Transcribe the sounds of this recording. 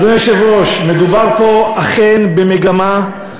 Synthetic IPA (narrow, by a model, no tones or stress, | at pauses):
doneʃevʁoʃmed̪ubaʁpo̞aχenbemeɡama